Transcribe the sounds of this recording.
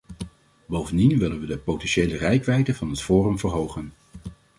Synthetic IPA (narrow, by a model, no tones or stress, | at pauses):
bowvəndinʋɪlənʋədəpowtɛnʃejlərɛjkʋɛjdəvɑnɦətfoːrəmvəɹɦowχən